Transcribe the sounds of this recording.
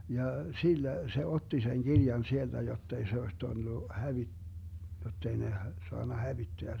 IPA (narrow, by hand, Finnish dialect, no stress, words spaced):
jɑ silːæ se otːi seŋ ɡ̊irjɑn sield̥æ jotː ei se oes tulːu hæʋi jotː ei ne h soɑnːɑ hæʋitːeæ